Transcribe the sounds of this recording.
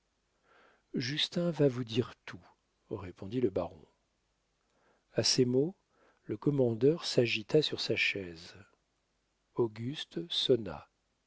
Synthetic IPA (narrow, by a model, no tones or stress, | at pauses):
ʒyst̪ɛ̃vavud̪iʁt̪ʰu | ʁepʰɔ̃d̪iləbaʁɔ̰̃ | asemo | ləkɔmɑ̃d̪œʁsaʒit̪asyʁsaʃɛz | oɡʲyst̪sɔna̰